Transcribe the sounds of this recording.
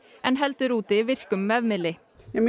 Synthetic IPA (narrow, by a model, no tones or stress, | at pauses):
ʔɛːnhɛlt̪ɾuːt̪ɪʋɪɾkʉmːɛːʋmɪlɪ | m